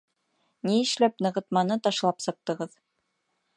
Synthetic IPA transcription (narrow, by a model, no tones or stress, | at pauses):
niɘ̆ʃlæpnɤ̆ʁɤ̆t̪mɑnɤt̪ɑʃlˠɑpsɤ̆q̚t̪ɤ̆ʁɤð